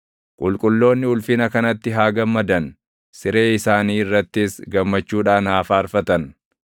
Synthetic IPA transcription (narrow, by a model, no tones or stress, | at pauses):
kʼʊlkʼʊlːo̞ːnːɪʊlfɪnɐkɐnɐt̪ːɪɦaːɡɐmːɐd̪ɐn | sɪɾe̞ːɪsaːniːɪrːɐt̪ːɪsɡɐmːɐt͡ʃːuːᶑaːnhaːfaːɐɾfɐt̪ɐn